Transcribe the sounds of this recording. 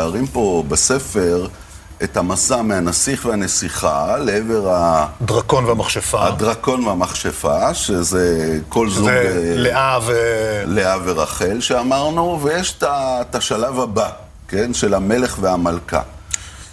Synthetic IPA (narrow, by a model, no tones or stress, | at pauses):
aʁimpo̞bese̞fe̞ʁ | ethamasameanasiχveane̞siχaleeve̞ʁad̪ʁakonveamaχʃefaadʁako̞nveamaχʃefaʃezeko̞lzuɡleʔavleaveʁaχe̞lʃeamaʁnuvejeʃe̥tat̪aʃalavaba | ke̞nʃe̞lame̞le̞χveamalka̰